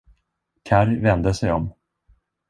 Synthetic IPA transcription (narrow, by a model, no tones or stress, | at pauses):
kʰæɾvɛnd̪əsɛjɔm